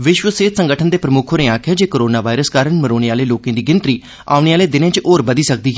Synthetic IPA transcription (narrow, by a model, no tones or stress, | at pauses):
ʋɪʃʋəseːt̪səŋɡəʈʰənd̪eːpɾəmʊkʰoːnẽːaːkʰjaːd͡ʒeːkoːɾoːnaːʋaːɪɾəskaːɾəɳməɾoːɽ̃eːaːleːloːkẽːd̪iːɡɪnt̪ɾiː | a̰ːʊɽeːaːleːd̪ɪnẽːt͡ʃʔoːɾbəd̪iːsək̚d̪iːɦɛː